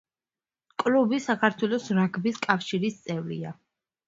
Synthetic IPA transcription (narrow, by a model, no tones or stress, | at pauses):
kʼlubisakʰaɾt̪ʰwɛlˠɔsɾaɡʰbiskʼafʃiɾist̪sʼɛvɾḭa